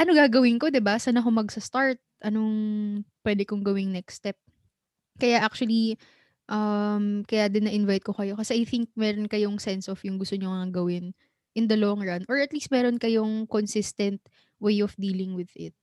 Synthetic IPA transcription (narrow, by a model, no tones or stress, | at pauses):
ʔɐnoɡaːɡɐwɪŋko̞d̪ɪbasaːnɐkomɐɡsɐst̪aɹt̪̚ʔɐnoŋpwɛd̪ɛkoŋɡɐwɪŋnɛkst̪ɛp̚ | kɐjaʔak̚t͡ʃuɐli | ʔɐmkɐjad̪ɪnːɐʔɪnvajt̪̚kokɐjo̞kɐsɛʔɐjθɪŋk̚mɛɾonkɐjoŋsɛnsofjʊŋɡʊst̪oɲoŋɐŋaɡɐwɪn | ʔɪnd̪ɐloŋɹanʔoɹɐt̪liːst̪mɛːɾonkɐjo̞ŋkonsɪst̪ɛnt̪̚ | wejʔɔfd̪iːlɪŋwɪðɪ̰t̪̚